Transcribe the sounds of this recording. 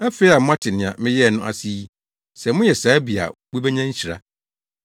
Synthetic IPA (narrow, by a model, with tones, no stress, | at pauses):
æ˦fe˨˦i˦a˨mʊ̃˦ã˦tʰɪ˨nɪ̃˨ã̰˨mɪ̃˦jɛ˦˨nʊ̃˦ʔa̰˨si˦ | sɛ˨mʊ̃˦jɛ˨saː˨˦bi˨a̰˨wi˦bɛ˦ɲã˦ɲ̩˦ɕi˨ɾa̰˦